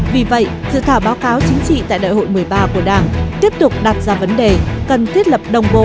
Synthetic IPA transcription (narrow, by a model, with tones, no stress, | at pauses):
vi˨˩və̰˧˨jsɨ̰˧˨t̪ʰaː˧˩wɓaː˨˦wkaː˨˦wt͡ɕï˨˦ŋ̟t͡ɕḭ˧˨t̪a̰ː˧˨jɗa̰ː˧˨jho̰˧˨jmɨ˨˩əjɓaː˧ku˧˩əɗaː˧˩ŋt̪i˦˥əp̚t̪ʊ˨˩k͡p̚ɗa˨˩t̚zaː˧˩və˨˦nɗe˨˩kə˨˩nt̪ʰi˦˥ət̚lə˨˩p̚ɗə˨˩wŋ͡mɓo̰˧˨